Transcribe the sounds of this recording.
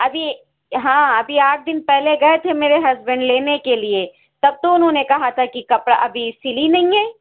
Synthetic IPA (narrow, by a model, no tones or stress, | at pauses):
ɐbʱi | ɦãːɐbʱiaːʈ̚ʰd̪ɪnpɛɦleɡɐet̪ʰemeːɾeɦɐzbə̃ɳɖleːnekelie | t̪ɐb̚t̪õʊnɦõːnekɐɦat̪ʰakikɐpɽaʔɐbʱisɪlinɐɦĩɦɛː